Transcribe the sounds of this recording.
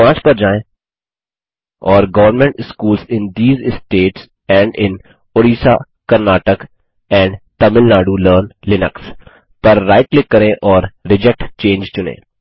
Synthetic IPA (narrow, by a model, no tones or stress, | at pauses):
pãːt͡ʃpɐɾd͡ʒaːẽ | ɔːɾɡɐʋəɾnmɛ̃ɳʈɪskuːlsɪ̃nd̪iːzɪsʈeːʈs | ɛ̃ːɳɖɪ̃n | oːɾiːsa | kɐɾnaːʈək | ɛ̃ːɳɖt̪ɐmɪlnaːɖuləːɾnlɪnəks | pɐɾːaːɪʈlɪkːɐɾẽʔɔːɾɾɪd͡ʒɛk̚ʈt͡ʃẽːnd͡ʒt͡ʃʊnḛ̃ː